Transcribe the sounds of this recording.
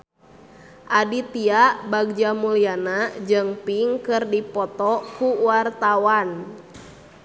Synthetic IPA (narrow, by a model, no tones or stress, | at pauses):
ʔadit̪iabaɡ̚d͡ʒamulianad͡ʒɨŋpiŋkɨrdipɔt̪ɔkuwart̪awan